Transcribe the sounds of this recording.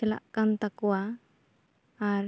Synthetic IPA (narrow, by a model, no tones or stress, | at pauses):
ila̰ʔkant̪akua | ɾ